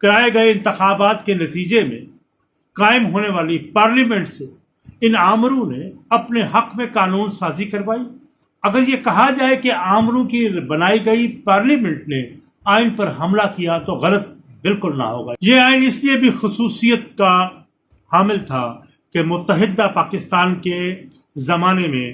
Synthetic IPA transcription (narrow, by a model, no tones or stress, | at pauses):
kɐɾaːeɡɐeɪ̃nt̪ɪxaːbaːt̪kenɐt̪iːd͡ʒemḛ̃ | kaːɪmɦoːneʋaːlipaːɾliːmɛ̃ɳʈse | ɪnaːmɾõneɐpneɦɐqmẽkaːnuːnsaːzikɐɾʋaːi | ɐɡəɾjekɐɦad͡ʒaːekeaːmɾõkibɐnaːiɡɐipaːɾliːmɛ̃ɳʈ̚ne | aːɪnpɐɾɦɐmlakijat̪oɣɐlət̪̚ | bɪlkʊlnɐ̰ɦo̰ːɡaːjeaːɪnɪsliebʱixʊsuːsijət̪̚ka | haːmɪlt̪ʰa̰ | kemʊt̪ːəɦɪd̪ːapaːkɪst̪aːnke | zɐmaːnemḛ̃